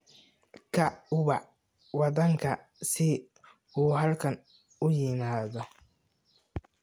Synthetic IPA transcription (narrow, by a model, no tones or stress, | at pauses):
kʰɐʊβɑ | wɑðɐŋkʰɐ | sɪ | uːɦɐlkʰɐn | ʊjɪmaːðɔ